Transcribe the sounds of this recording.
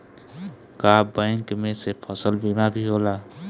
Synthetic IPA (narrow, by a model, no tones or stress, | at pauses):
kabə̃ɪŋkmẽsepʰəsəlbiːmabʱiɦoːlaː